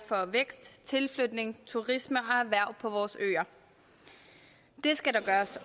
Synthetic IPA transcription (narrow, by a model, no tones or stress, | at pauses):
fɒ̽ʋeɡ̥sd̥t͡sʰe̝lflød̥ne̝ŋt͡sʰuʁisməʔɒ̽æʋæɐ̰ʊ̰pʰɒ̽ʋɒːsø̰ːɐ | d̥e̝sɡ̥æɾɑ̈ɡ̥ɶːɐs